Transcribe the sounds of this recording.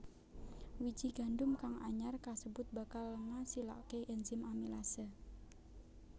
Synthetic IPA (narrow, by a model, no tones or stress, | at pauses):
wi̥d͡ʒiɡ̥a̤ɳdʊmkaŋa̰ɲarkasəbʊt̪̚ba̤kalːəŋasila̰keʔɛnzɪmamilasə